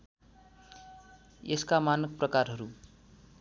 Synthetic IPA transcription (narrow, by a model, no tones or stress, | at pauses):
eskamanʌk̚prʌkarɦʌɾu